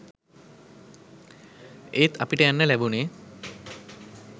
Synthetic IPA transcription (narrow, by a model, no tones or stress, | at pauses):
et̪ʰapiʈəjanːəlɛbune